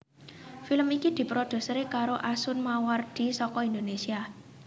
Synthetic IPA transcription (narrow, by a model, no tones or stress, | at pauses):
filəmikid̪̥i̤pɾod̪̥ṳsɾekaɾoʔasʊnmaward̪̥i̤sɔkɔind̪onesia